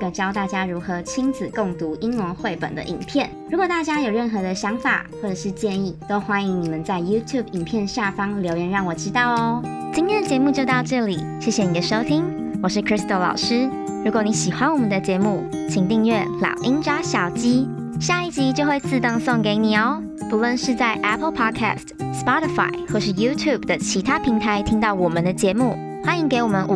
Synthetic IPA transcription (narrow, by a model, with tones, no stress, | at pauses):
kə˨˩t͡ɕjɑ˥ʊt̪a˥˩t͡ɕja˥ɻu˧˥xɤ˧˦t͡ɕʰi˥ŋd͡zɹ̩˨˩ko˥˩ŋt̪u˧˥ʔi˥ŋlə˧˥nxwe˥˩ɪpə̰˨˩nd̪ə̰˦ʔḭ˨˩ŋpʰjɛ˥˩nɻu˧˥kwɔ˨˩t̪a˥˩t͡ɕja˥jo˨˩ʊɻə˥˩nxɤ˧˦d̪ə˧ɕjɑ˧˥ŋfa̰˨˩xwɔ˥˩ʈ͡ʂɤ˨˩ʂɻ̩˥˧t͡ɕjɛ˥˧ni˥˩t̪o˥ʊxwa˥ni˧˦ŋni˨˩mə˨nt͡sa˥˩ɪju˥t̪ʰju˥˨˩bi˨˩ŋpʰjɛ˥˧nɕja˥˩fɑ˥ŋljo˧˥ʊjɛ˧˥nɻɑ˥˩ŋwɔ˨˩t͡ɕi˥t̪ɑ˥˩ʊ˩t͡ɕi˥nt̪ʰjɛ˥nd̪ə˨t͡ɕjɛ˧˥mu˥˧t͡ɕjo˥˧ʊt̪ɑ˥˧ʊʈ͡ʂɤ˥˩li˨˩˦ɕjɛ˥˩ɕjɛ˨ni˨˩d̪ə˦ʂo˥ʊt̪ʰi˥ŋ | wɔ˨˩ʂɻ̩˥˩kʰɹi˥st̪o˧˥lɑ̰˨˩ʊʂɻ̩˥ | ɻu˧˥kwni˧˥ɕi˨˩xwa˧˦nwɔ˨˩mə˨˦nd̪ə˧t͡ɕjɛ˧˥mu˥˩ | t͡ɕʰi˨˩ŋt̪i˥˧ŋɥɛ˥˩ljɑ̰˨˩ʊʔi˥ŋʈ͡ʂa˥ɕjɑ˨˩ʊt͡ɕi˥ | ɕja˥˧i˥˩t͡ɕi˧˥t͡ɕjo˥˧ʊxwe˥˧ɪt͡sʰɹ̩˥˩t̪ɑ˥˧˩ŋso˥˩ŋke˧˥ɪni˨˩ə˨˩˦ | pu˧˥lwə˥˧nʂɻ̩˥˧t͡sa˥˩ɪʔæ˥pʰə˧lpʰɑ˥d̚kʰæ̰˥˩stspɑ˥ɾi˧fa̰˧˩ɪxwo˥˧ʂɻ̩˥˩ju˥t̪ʰju˥˨˩bd̪ə˩t͡ɕʰi˧˥t̪ʰa˥pʰi˧˥ŋt̪ʰa˧˦ɪt̪ʰi˥ŋt̪ɑ˥˩ʊwɔ˨˩mə˦nd̪ə˨t͡ɕjɛ˧˥mu˥˩ | xa˥i˧˥ŋke˧˥ɪwɔ˨˩mə˦nʔ